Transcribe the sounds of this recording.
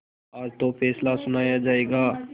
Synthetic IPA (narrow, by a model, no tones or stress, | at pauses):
ɔːɾt̪opʰɛːslasʊnaːjad͡ʒaːeːɡaː